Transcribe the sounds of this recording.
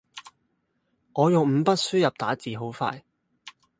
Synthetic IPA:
ŋɔː˨˧jʊ˨ŋm̩˨˧pɐ˥t̚syː˥jɐ˨p̚t̪aː˨˥t͡siː˨˩ɦo˨˥wfa̰ː˧j

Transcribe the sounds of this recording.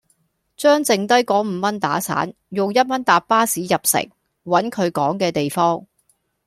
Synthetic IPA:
t͡ʃœː˥ŋt͡sɪ˨ŋt̪ɐ˥jkɔː˨˥m̩˨˧mɐ˥nt̪aː˨˥sa̰ː˨˥n | jʊ˨ŋjɐ˥t̚mɐ˥nt̪aː˨p̚pːaː˥siː˨˥jɐ˨p̚sɪ̰˨˩ŋ | wɐ˨˥nkʰɵ˨˧ɥkɔː˨˥ŋkɛː˧t̪e˨jfɔː˥ŋ

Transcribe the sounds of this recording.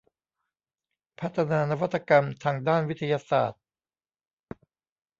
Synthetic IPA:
pʰa˦˥t̪ʰːa˧naː˧na˦˥wa˦˥t̪ʰːa˧ka˧mt̪ʰaː˧ŋdaː˥˩nwi˦˥t̪ʰa˧jaː˧sa̰ː˨˩t̪̚

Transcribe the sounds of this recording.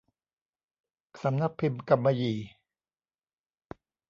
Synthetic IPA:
sa˨˦mna˦˥k̚pʰi˧mka˧mːa˧jiː˨˩

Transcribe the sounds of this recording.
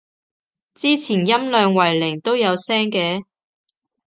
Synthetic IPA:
t͡siː˥t͡sʰiː˨˩njɐ˥mlœː˧ŋwɐ˨˩jlɪ˨˩ŋt̪o˥wjɐ˨˧wsɛː˥ŋkɛː˨˧

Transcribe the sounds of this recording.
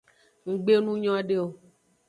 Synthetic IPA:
ŋ̩˨ɡ͡be˦nũ˦ɲɔ̃˦a˦ɖe˦o˨

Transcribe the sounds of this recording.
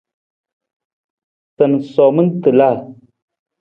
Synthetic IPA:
tə˨n˨sɔ˨mə˦n˦tɨ˨la˦˨

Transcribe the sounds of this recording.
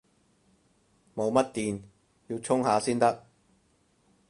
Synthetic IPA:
mo˨˧wmɐ˥t̚t̪iː˨n | jiː˧wt͡ʃʰʊ˥ŋhaː˨˧siː˥nt̪ɐ˥k̚

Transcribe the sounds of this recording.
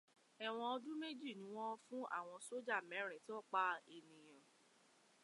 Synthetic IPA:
ɛ˨w̃ɔ̃˧ɔ˧dũ˦me˦d͡ʒi˦˨nĩ˨˦w̃ɔ̃˦fũ˦a̰˦˨w̃ɔ̃˧so˦d͡ʒa˦˨mɛ̃˨˦ɾ̃ɛ̃˨tɔ˦˨k͡pa˧e˨nĩ˨j̃ã˨

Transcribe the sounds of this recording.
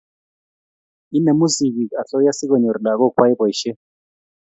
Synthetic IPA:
i˦nɛ˨mu˦si˨ki˨ka˨ɬɔ˦ja˦si˦kɔ˨ɲɔ˨ɾi˨la˨kɔ˦kʰwa˦i˦bɔ˨i˨ʃɛ˦

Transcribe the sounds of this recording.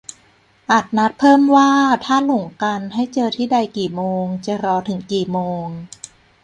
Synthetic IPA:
ʔa˨˩t̪̚na˦˥t̪̚pʰɤː˥˩mwaː˥˩t̪ʰaː˥˩lo˨˩˦ŋka˧nɦa˥˩jt͡ɕɤː˧t̪ʰiː˥˩da˧jkiː˨˩moː˧ŋt͡ɕa˨˩ɾɔː˧t̪ʰɯ˩˦ŋkiː˨˩moː˧ŋ

